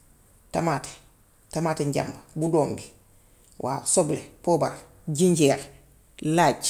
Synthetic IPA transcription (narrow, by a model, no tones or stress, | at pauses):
tamaːte̥ | tamatiɲɟa̰mbabudombi | wʔa̰ːsoblepoːbaɾ | d͡ʒiɲɟeːɾ | laɟ